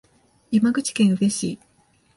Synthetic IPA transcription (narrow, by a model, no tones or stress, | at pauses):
imaɡɯ̟t͡ɕi̥kẽ̞ɰ̃ɯ̟be̞ɕḭː